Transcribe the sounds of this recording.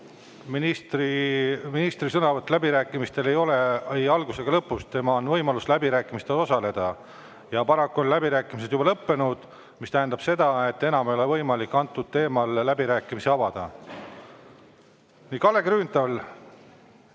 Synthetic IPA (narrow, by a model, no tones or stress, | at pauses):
minist̪riminist̪risɤnɑvɑt̪ːˑlæbiɾæːkːˑimist̪e̞le̞jo̞le̞ejɑlɡ̥use̞ɡ̥ɑlɤpːust̪e̞mɑo̞nvɤjmɑluslæbiɾæːkːˑimist̪eo̞sɑle̞d̪̥ɑ | jɑpɑɾɑkːuo̞nlæbiɾæːkːˑimis̬e̞d̪jubɑlɤpːe̞nud̪̥ | mist̪æɦend̪ɑb̥se̞d̪̥ɑe̞t̪ːe̞nɑmejo̞le̞vɤjmɑlikːɑnt̪ːˑud̪̥̚t̪e̞ːmɑlːæbiɾæːkːˑimiseɑbɑd̪̥ɑ̰ | niːkɑle̞ɡɾyːnt̪ɑl